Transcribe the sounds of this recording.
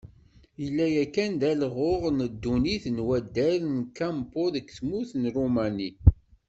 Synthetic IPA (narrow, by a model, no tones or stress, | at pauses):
jəlːæjækːænd̪ælʁoʁnəd̪ːuniθnwæd̪ːæɾnkæmpoðəkθmuθnɾumæni